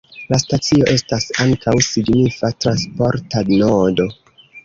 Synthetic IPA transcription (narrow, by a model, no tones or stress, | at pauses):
lastat͡sio̞ʔe̞stasaŋkawsiɡnifatɾanspo̞ɾtanodo̞